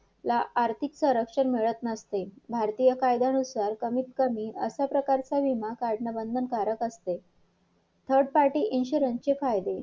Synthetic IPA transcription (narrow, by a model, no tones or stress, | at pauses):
laʔːɾt̪ʰiksəɾəkʂənmeɭət̪nəst̪ebʱaɾt̪ijəkajd̪anusaɾkəmip̚kəmiːə̰sjapɾəkaɾt͡saʋimakaɽɳəbənd̪ʱənkaɾəkəst̪e | t̪ʰəɾɖ̚paɾʈiːʔinɕuɾənst͡ɕefajd̪e